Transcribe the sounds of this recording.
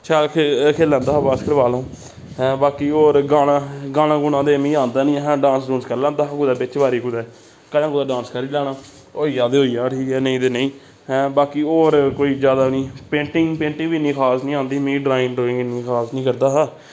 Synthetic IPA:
t͡ʃʰaːlkkʰeːlːãːnd̪aːɦːbaːskəɾbaːlõː | baːkiːoːɾɡaːɽãːɡaːɽãːɡʊɽ̃ãːd̪eːmĩːãːnd̪aːnĩːɦɛ̃ːɖãːnsduːnskəɾlãːnd̪aːɦːkud̪ɛːbɪt͡ʃʋaːɾiːkud̪ɛː | kəlãːkuːd̪aːɖãːnskəɾiːlɛːnaː | oːiːãːd̪eːɦoːijãːʈʰiːkɛːnəĩːt̪eːnəĩː | baːkiːoːɾkoːiːd͡ʒjaːd̪aːnĩːpẽːɳʈɪ̃ŋɡpẽːɳʈɪ̃ːʋiːnĩːkʰaːsnĩːãːnd̪iːmĩːɖɾaːɪnɖoːɪ̃ŋɡnĩːkʰaːsnĩːkəɾd̪aːɦaː

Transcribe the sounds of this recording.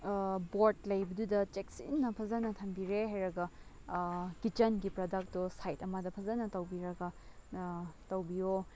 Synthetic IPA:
boɾt̚lɐjbɐdudɐt͡ʃeksḭnːɐpʰɐzɐnɐtʰɐmbiɾeɦajɾɐɡɐ | kit͡ʃɐnɡipɾodɐk̚tosajtɐmɐdɐpʰɐzɐnɐtɐwbiɾɐɡɐ | tɐwbijo

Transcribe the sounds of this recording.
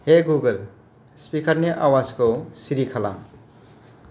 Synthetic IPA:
ɦeɡuɡəl | spikʌɾneʔawad͡zkosiɾikʰʌla̰m

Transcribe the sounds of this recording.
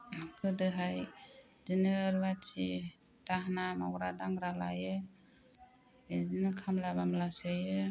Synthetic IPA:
kʰɯdɯɦajd͡ʒinɯːɾbat͡ʃʰi | taɦnamɔɡɾadaŋɾala̰jɯ | d͡ʒinɯkʰamlabamlasajɯ

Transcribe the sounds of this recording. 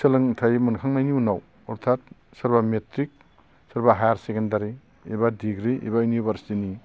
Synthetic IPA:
sɯlɯŋtʰajmunkʰaŋnajniunaw | ɔɾt̪ʰat̚sɐɾbametɾik̚ | sɐɾbaɦajaɾsekʰendaɾḭː | badiɡɾiḭbajunibʱɐɾsi̥tini

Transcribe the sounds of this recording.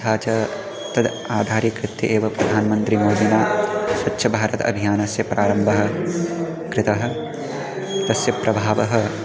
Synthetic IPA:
t̪ʰaːt͡ʃɐ | t̪ɐd̪ | aːd̪ʱaːɾikɾɪt̪ːjɐ̰ʔeːʋɐpɾɐd̪ʱaːnmɐnt̪ɾimoːd̪inaːswɐtːʃʰɐbʱaːɾɐt̪ɐ̰bʱijaːnɐsjɐpɾaːɾɐmbʱɐɦɐ̆ | kɾɪt̪ɐɦɐ̆ | t̪ɐsjɐpɾʔɐbʱaːʋɐɦɐ

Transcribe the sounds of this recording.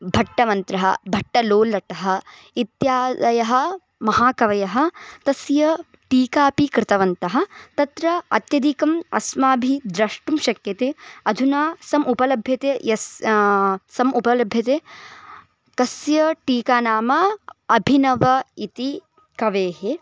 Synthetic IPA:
bʱɐʈːɐmɐnt̪ɾɐɦɐ̰bʱɐʈːɐloːlːɐʈɐɦɐ̆ | it̪jaːɐjɐɦɐ̆ | mɐɦaːkɐʋɐjɐɦɐ̆t̪ɐsjɐ | ʈiːkaːpikɾɪt̪ɐʋɐnt̪ɐɦɐ̆t̪ɐt̪ɾɐɐ̰t̪jɐd̪ikɐmɐ̰smaːbʱid̪ɾɐʂʈumʃɐkjɐt̪eːɐd̪ʱunaːsɐmʔupɐlɐbʱjɐt̪ejɐs | sɐmʔupɐlɐbʱjɐt̪eː | kɐsjɐʈiːkaːnaːmɐɐbʱinɐʋɐit̪i | kɐʋeːɦe

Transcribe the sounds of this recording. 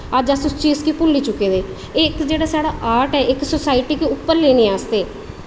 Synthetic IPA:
əd͡ʒəsʊst͡ʃiːskiːpʊlːiːt͡ʃʊkːeːd̪eː | ekd͡ʒeːɽaːsaːɽaːʔaːɾʈɛːʔɪksosaːɪʈiːkiːʊpːəɾleːnĩːaːst̪eː

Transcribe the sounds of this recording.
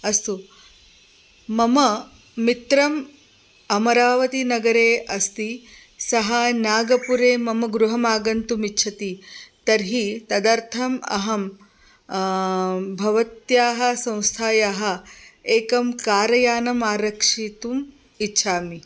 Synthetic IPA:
ɐst̪u | mɐmɐ | mit̪ɾɐm | ɐmɐɾaːʋɐt̪inɐɡɐɾeːɐst̪i | sɐɦɐnaːɡɐpuɾeːmɐmɐɡɾuɦɐmaːɡɐnt̪umitːʃʰɐt̪it̪ɐɾɦit̪ɐd̪ɐɾt̪ʰɐmɐ̰ɦɐm | bʱɐʋɐt̪jaːɦɐ̆sɐ̃w̃st̪ʰaːjaːɦɐ̆eːkɐmkaːɾɐjaːnɐmaːɾɐkʂit̪um | itːʃʰaːmi

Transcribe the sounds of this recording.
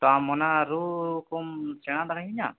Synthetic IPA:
t̪ɔamːɔnaɾukumsɛɽ̃ad̪aɡaɦiɲa

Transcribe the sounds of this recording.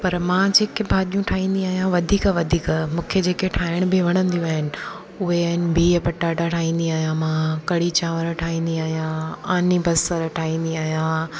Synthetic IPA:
pɐɾmãd͡ʑeːkebʱaːɗijũʈʰaːɦĩːnd̪iaːɦijãʋɐd̪ʱiːkaʋɐd̪ʱiːkmũːkʰed͡ʑeːkeʈʰaːɪɽ̃ʊbɪʋɐɽ̃ə̃nd̪ijũaːɦɪnɪ̆ | ʊɦeaːɦɪnɪ̆bʱiːpɐʈːaːʈaʈʰaːɦĩːnd̪iaːɦijãmãkɐɽit͡ɕaːʋəɾʈʰaːɦĩːnd̪iaːɦijãaːnibɐsəɾʈʰaːĩːn̆d̪iaːɦijã

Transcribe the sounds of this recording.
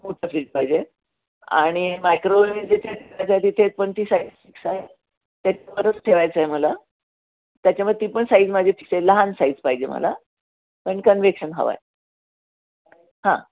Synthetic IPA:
moʈʰəfɾiːd͡zpaid͡ʑe | a̰ɽ̃imajkɾoid͡zet̪ʰeʈʰeʋajt͡səet̪it̪ʰet͡spəɳt̪iːsaid͡zfiksae | t̪jat͡ɕapəɾət͡sʈʰeʋajt͡səeməla | t̪jat͡ɕjaməd̪ʱet̪iːpəɳsaid͡zmad͡ʑʱefi̥ksaeləɦansaiːd͡zpaid͡ʑem̤ə̰la̰ | pəɳkənʋekɕənɦə̰ʋa̰j | hã

